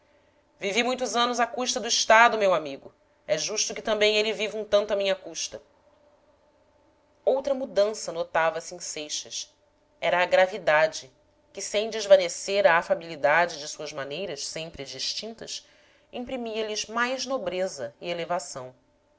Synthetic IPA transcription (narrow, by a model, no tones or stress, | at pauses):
vivimũj̃t̪ʊzɐ̃nʊzɐkuʃt̪ɐd̪ʊiʃt̪ad̪ʊmewamiɡʊ | ɛʒuʃt̪ʊkɪt̪ɐ̃mbẽj̃elɪvivũt̪ɐ̃nt̪ʊɐmĩɲɐkuʃt̪ɐ | owt̪ɾɐmud̪ɐ̃sɐnot̪avɐsɪẽsejʃɐs | ɛɾɐːɡɾavid̪ad͡ʒɪ | kɪsẽj̃d͡ʒɪzvɐneseɾɐːfabilid̪ad͡ʒɪd͡ʒɪsuɐzmanejɾɐʃsẽmpɾɪd͡ʒiʃt͡ʃĩnt̪ɐs | ĩpɾimiɐlɪzmajznobɾezɐielevasɐ̃w̃